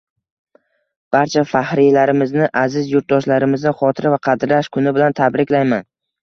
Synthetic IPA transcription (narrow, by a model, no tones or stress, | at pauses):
b̥aɾt͡ʃʰafahɾɪjlaɾɪmɪznɪʔazɪzjʊɾt̪̚d̪ɒʃlaɾɪmɪznɪχɒt̪ʰɪɾavaqʰɑd̪ɾlaʃkʰʊnɪbɪlant̪ʰabɾɪkʲlajman